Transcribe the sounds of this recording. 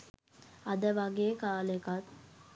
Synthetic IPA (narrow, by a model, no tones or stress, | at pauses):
ad̪əʋaɡeːkaːlekat̪